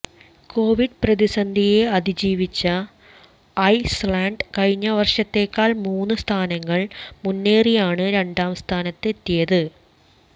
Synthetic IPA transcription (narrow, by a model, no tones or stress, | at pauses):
ko̞ːʋiɖprɐðisɐnd̪ʱijeɐd̪id͡ʑiːʋit͡ɕːɐː | jslaːɳɖkɐɻɲːɐʋɐrʂɐt̪ːe̞ːkːaːɭmuːnːɨst̪ʰaːnɐŋːɐɭmunːe̞ːrijaːɳɨɾe̞ɳɖaːmst̪ʰaːnɐt̪ːe̞t̪ːijɐðɨ